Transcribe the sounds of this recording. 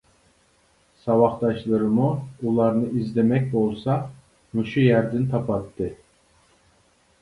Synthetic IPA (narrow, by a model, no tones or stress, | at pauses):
sɑvɑχt̪ɑʃlˠɯɾɯmuulˠɑɾnɯʔizd̪ɛmɛk̚ʲbolˠsɑ | muʃujæɾd̪int̪ʰɑpʰɑt̪ːɯ